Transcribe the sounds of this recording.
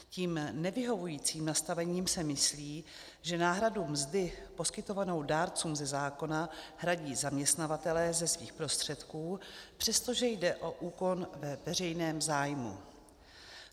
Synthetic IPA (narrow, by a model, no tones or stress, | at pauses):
ciːmnɛvɪɦo̞vujiːt͡siːmnast̪avɛɲiːmsɛmɪsliː | ʒɛnaːɦɾadumzdɪpo̞skɪt̪o̞vano̞wdaːɾt͡suːmzɛzaːko̞naɦɾaɟiːzamɲɛst̪navat̪ɛlɛːzɛsviːxpɾo̞st̪r̝̥ɛt̪kuːpr̝̥ɛst̪o̞ʒɛjdɛʔo̞ʔuːko̞nvɛvɛrɛjnɛːmzaːjmṵ